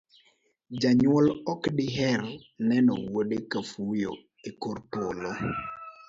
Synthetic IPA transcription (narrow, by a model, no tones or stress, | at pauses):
d͡ʒaɲwɔlɔkdɪɦɛɾnɛnɔ̰woɗekafujo̰ | ekoɾtolo